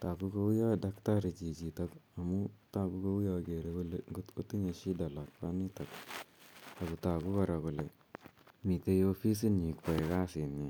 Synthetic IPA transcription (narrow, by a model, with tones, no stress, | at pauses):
ta˨ku˧ko˦wu˦ja˦˨da˦kta˦ɾi˨t͡ʃi˨t͡ʃi˨ta˦ka˨mu˦ta˦˧ku˧ko˧wu˦ja˧˨ke˨ɾe˦kʊ˦lɛ˨ŋɡtko˦ti˦ɲe˧ʃi˦da˨la˨k̚pa˦ni˦ta˨k | a˨ku˨ta˨ku˦ka˨ɾa˨kʊ˨lɛ˨ | mi˨te˧jo˦˧fi˦s̬i˦ni˨kɔ˨ɛ˨ka˦sɪ˨na˨